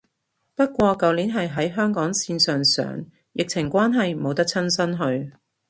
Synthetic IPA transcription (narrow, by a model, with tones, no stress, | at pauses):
pɐ˥t̚kʷɔː˧kɐ˨˧wliː˨˥nɦɐ˨jɦɐ˨˥jɦœː˥ŋkɔː˨˥ŋsiː˧nsœː˨ŋsœ̰ː˨˥ŋ | jʔɪ˨k̚t͡sʰɪ˨˩ŋkʷaː˥nɦɐ˨jmo˨˧wt̪ɐ˥k̚t͡sʰɐ˥nsɐ˥nɦɵ˧ɥ